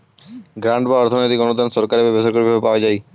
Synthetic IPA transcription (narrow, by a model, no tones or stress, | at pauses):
ɡɾãɳʈbaɔɾt̪ʰonojt̪ikɔnud̪ansɔɾkaɾebebesɔɾkoɾibʱabepaoed͡ʑaj